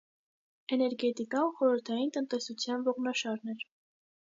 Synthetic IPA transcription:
ɛnɛɾɡɛt̪ikɑnχɔɾəɾt̪ʰɑjint̪ənt̪ɛsut͡sʰjɑnvɔʁnɑʃɑɾnɛɾ

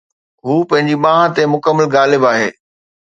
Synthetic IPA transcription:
ɦuːpɐ̃ɦɪ̃ɲd͡ʑiɓãːɦãt̪emʊkəmːəlɡaːlɪbaːɦḛː

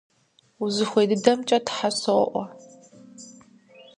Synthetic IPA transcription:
uzɨxʷejdɨdɐmt͡ʃʼɐtħasow̰ʔʷɔ

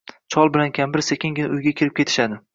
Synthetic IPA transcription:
t͡ʃʰɒlˠbɪlankʲʰambɪɾsekʲɪŋʲɪnɪʊjɡʲakʲʰɪɾɪp̚kʲʰe̞t̪ʰɪ̥ʃad̪ɪ

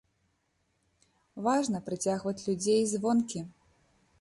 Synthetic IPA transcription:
vaʐnɐpɾɨt͡sʲaɣvɐt͡sʲlʲud͡zʲejzvɔnkʲi

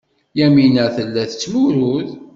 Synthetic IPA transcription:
jæminæθəlːæθə̥t͡sːmuɾuð

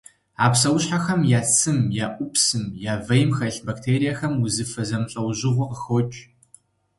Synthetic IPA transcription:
aːpsɐwʊɕħaxɐmjaːt͡sʰɨmjaːʔʷʊpsɨmjaːvɐjmxɐɬbaːktʰeːɾijaxɐmwʊzɨfɐzɐmɬʼɐwʑɪʁʷɔqəxɔt͡ʃʼ

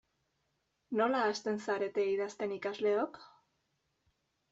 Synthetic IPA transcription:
no̞laːst̪e̞nsaɾe̞t̪e̞iðast̪e̞nikazle̞ok

